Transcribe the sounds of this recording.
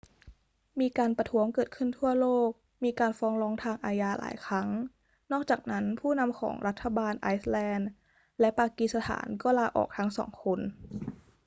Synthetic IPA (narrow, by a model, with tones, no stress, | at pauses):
miː˧kaː˧npa˧t̪ʰu˦˥əŋkɤː˨˩t̪̚kʰɯ˥˩nt̪ʰu˥˩ɐloː˥˩k̚ | miː˧kaː˧nfɔː˦˥ŋlɔː˦˥ŋt̪ʰaː˧ŋʔaː˧jaː˧la̰ː˩˦jkʰɾa˦˥ŋ | nɔː˥˩k̚t͡ɕaː˨˩k̚na˦˥npʰuː˥˩na˧mkʰɔ̰ː˩˦ŋɾa˦˥t̪ʰːa˧baː˧nʔaː˦˥jslɛː˧n | lɛ˦˥paː˧ki˨˩sa˧t̪ʰa̰ː˩˦nkɔː˥˩laː˧ʔɔ̰ː˨˩k̚t̪ʰa˦˥ŋsɔ̰ː˩˦ŋkʰo˧n